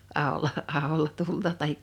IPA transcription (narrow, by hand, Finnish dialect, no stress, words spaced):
ɑholɑ ɑholɑ tultɑ tɑhik